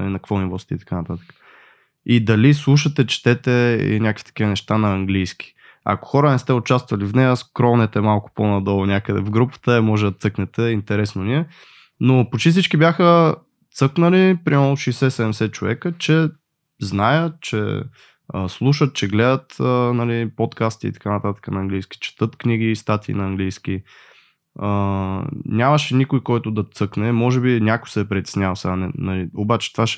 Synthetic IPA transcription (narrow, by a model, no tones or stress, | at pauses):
linɐkvɔnivɔst̪ḭt̪ɐ̥kanɐt̪at̪ə̥kə̥ | id̪ɐlislˠuʃət̪ɛt͡ʃt̪ɛt̪ɛḭnʲakəkvi̥t̪ɐ̥kʲiənɛʃt̪anɐɐŋɡlijsk̟i̥ | ɐ̰ko̥xɔɾənɛst̪ɛʊt͡ʃast̪vɐlivnɛjəskɾɔnɛt̪ɛmalˠkʊ̥ponɐd̪ɔlˠnʲakəd̪ɛ̰vɡɾupə̥t̪əɛmɔʒɛd̪ɐt̪sɤknɛt̪ɛint̪ɛɾɛsnoniɛ | nopot͡ʃifsit͡ʃkibjaxə | t̪sɤknəlipɾimɛmlˠoʃijsɛsɛd̪ɛmɛsɛt͡ʃovɛ̰kət͡ʃɛ | znajət͡ʃɛ̰ | ə̰slˠuʃət̪̚t͡ʃɛɡlɛd̪ət̪ənɐlipot̪kast̪iḭt̪ɐ̥kanət̪at̪ə̥kənɐːŋɡlijski̥t͡ʃɛ̥t̪ɤt̪kniɡiːst̪at̪ʰḭnɐːŋɡlijsk̟i | ə | nʲaməʃɛnikojkɔjt̪ʊd̪ɐt̪sɤknɛmɔʒɛbinʲakʊjsɛpɾɛt̪ʲɛ̥snʲavɐsɛɡanɛnɐliobat͡ʃɛ̥t̪vaʃɛ